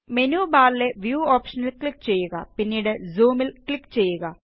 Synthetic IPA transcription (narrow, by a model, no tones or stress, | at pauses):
me̞nuːbaːɾile̞ʋjuːo̞ːpʂɐnilkɭikːt͡ɕe̞jːuɣɐpinːiːɽɨzuːmilkɭikːt͡ɕe̞jːuɣɐ